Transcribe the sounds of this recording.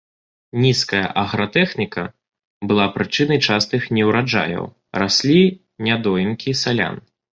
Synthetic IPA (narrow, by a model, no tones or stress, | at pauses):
nʲiskɐjɐ̰ʔɐɣɾɐt̪ɛxnʲikɐ̰ | bɨlˠapɾɨt͡ʂɨnɐjt͡ʂast̪ɨxnʲɛwɾad͡ʐa̰jɐ̰w | ɾasʲlʲi | nʲad̪ɔjinkʲisalʲa̰n